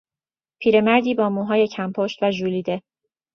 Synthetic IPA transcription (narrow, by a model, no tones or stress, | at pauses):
pʰiːɾe̞mæɾd̪iːbɒːmuːɦɒːje̞cʰæmpʰoʃt̪væʒuːliːd̪e̞